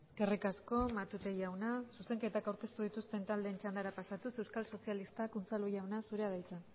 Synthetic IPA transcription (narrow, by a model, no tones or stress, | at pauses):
eskerikasko̞mat̪ut̪ejawnasuse̞ŋke̞t̪akawɾke̞st̪uð̞it̪ust̪e̞nt̪ald̪e̞ːnt͡ʃand̪aɾapasat̪use̞wskalso̞sialist̪akunt͡salujawnasuɾeaðajt͡sa